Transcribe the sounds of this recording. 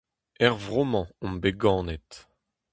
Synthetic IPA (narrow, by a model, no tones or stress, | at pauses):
ɛʁvʁomɑ̃ɔ̃mbeɡɑ̃ːnɛt̪